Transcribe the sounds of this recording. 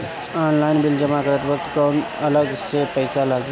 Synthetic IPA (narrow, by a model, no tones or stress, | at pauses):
ɔːnlaɪnbɪld͡ʒəmakəɾət̪ʋək̚t̪kon | ələɡsepəɪsalaɡ